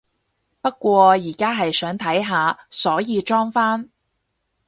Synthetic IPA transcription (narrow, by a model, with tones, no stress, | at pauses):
pɐ˥t̚kʷɔː˧jiː˨˩kaː˥ɦɐ˨jsœː˨˥ŋt̪ʰɐ˨˥jɦaː˨˧sɔː˨˥jiː˧t͡ʃɔː˥ŋfaː˥n